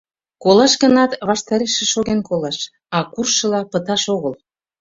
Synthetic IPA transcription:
kolɑʃɣə̆nɑt̪βɑʃt̪ɑɾeʃĕʃoɣenkolɑʃ | ɑkurʃə̆lɑpə̆t̪ɑʃoɣəl

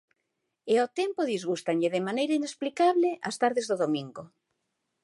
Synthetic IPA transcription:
eot̪ɛmpoðizɣust̪aɲʎɪðɪmanejɾainesplikaβlɪʔast̪aɾðezðoðomĩŋɡo

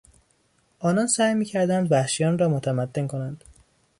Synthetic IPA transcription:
ʔɒːnɒːnsæːjmiːcʰæɾd̪ænd̪væhʃijɒːnrɒːmot̪ʰæmæd̪ːe̞nkʰo̞nænd̪̥

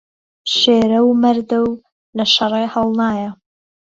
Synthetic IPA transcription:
ʃeːɾɐwmɐɾd̪ɐw | lɐʃɐrˤeːhɐlˠnaːjɐ

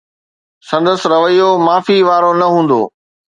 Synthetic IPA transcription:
sɐ̃nd̪əsɪ̆ɾɐʋəjomaːfiʋaːɾonɐɦũːnd̪o̰ː

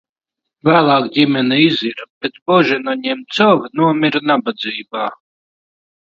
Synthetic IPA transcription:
væːlˠɑːkdʲimʲɛnɛiziɾabʲɛt̪bɔʒɛnaɲʲɛmt̪sɔvʲnuɔmʲiɾnabad̪ziːbaː

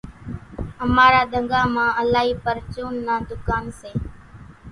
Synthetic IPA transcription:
əmaːɾaːd̪əŋɡaːmãːəlaːɦiːpəɾt͡ʃoːnːãːd̪ʊkaːnseː

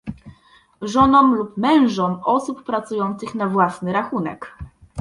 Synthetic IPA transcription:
ʐɔnɔmlupmɛ̃w̃ʐɔmɔsupːɾat̪sujɔnt̪sɘxnavwasnɘɾaxunɛ̰k

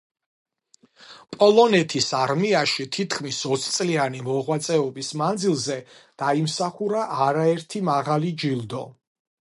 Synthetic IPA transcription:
pʼɔlˠɔnɛt̪ʰisaɾmiaʃit̪ʰit̪ʰkʰmisɔt̪sʰt̪sʼlianimɔʁwat̪sʼɛɔbismand̪zilˠzɛd̪̥aimsaχuɾaʔːɾaɛɾt̪ʰimaʁalid͡ʒilˠd̪ɔ

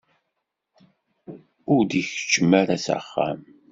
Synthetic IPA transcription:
ʊɾd̪içə̥t͡ʃːəmaɾasa̰χːa̰m

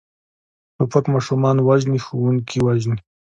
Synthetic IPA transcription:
ʈʊpakmɑʃumɑnwaʒnixuwuŋkiwaʒni

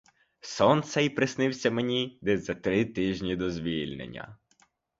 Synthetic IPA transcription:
sɔnt̪sɛipɾɪsnɪwsʲɐmenʲid̪ɛzɐt̪ɾɪt̪ɪʒʲnʲid̪ɔzʲʋʲilʲnḛnʲːɐ̰

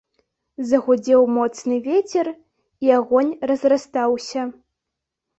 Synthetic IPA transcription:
zɐɣʷʊdʲewmot͡snɨvʲetʲʰɛr | iaɣʷonʲrɐzrɐst̪awsɐ

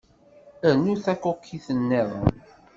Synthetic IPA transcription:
ənːuθækokʰːiθənːɛðˤə

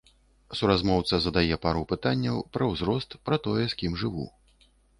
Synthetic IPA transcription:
suɾazmɔwt̪sɐzɐd̪ajɛpaɾupɨt̪anʲːɐwpɾɐwzɾɔst̪pɾɐt̪ɔjɛsʲkʲimʐɨvṵ

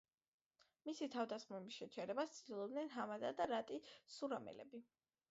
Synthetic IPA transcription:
misit̪ʰavd̪asχmɔbisʃɛt͡ʃʰɛɾɛbast̪sʼʰd̪ilˠɔbd̪nɛnɦamazad̪aɾat̪ʼisuɾamɛ̰lɛ̰bi

